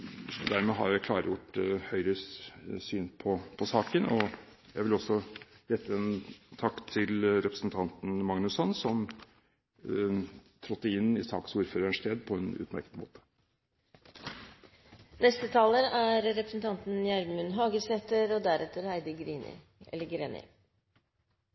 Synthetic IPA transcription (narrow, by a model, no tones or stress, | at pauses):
d̪æɾmɛɦɑ̰ɾjæɪkʰlɑ̰ːɾəjʊʈːhœʏɾəssyːnpʰɔpʰɔsɑːkənɔjæɪʋɪlɔsːɔjɛt̪ːəɛnt̪ʰɑkt̪ʰːɪlɾɛpɾəsnt̪ʰɑnt̪n̩mɑŋnʉsɔnsɔm | t̪ʰɾɔt̪ːəɪnːɪsɑ̰ːksuːɾføːɾəɳʂt̪ʰeːd̪pʰɔɛnʉ̰t̪mæ̰ɾkət̪mo̰ːt̪ə̥ | nɛst̪ət̪ʰɑːləɾæɾɾɛpɾəsn̩t̪ʰɑnt̪n̩jæɾmmʉnɦɑːɡəsɛt̪əɾɔd̪æɾɛt̪ːəɾhæɪd̪əɡɾiːnɪ̰ | ɛlːəɡɾḛːnɪ̰